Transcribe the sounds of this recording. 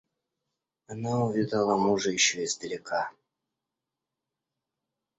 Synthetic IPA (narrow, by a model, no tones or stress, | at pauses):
ɐnaʊvʲid̪əlˠəmuʐɨjɪɕːoɪzd̪əlʲɪka